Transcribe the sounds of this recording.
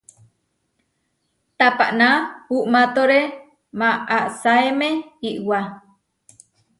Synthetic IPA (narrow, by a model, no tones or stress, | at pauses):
t̪apaʔnahuʔmãt̪oɾe | maaʔsaemẽiʔwa